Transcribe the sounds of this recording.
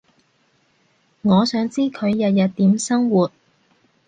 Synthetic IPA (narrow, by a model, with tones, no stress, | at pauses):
ŋɔː˨˧sœː˨˥ŋt͡siː˥kʰɵ˨˧ɥjɐ˨t̚jɐ˨t̚t̪iː˨˥msɐ˥ŋwuː˨t̚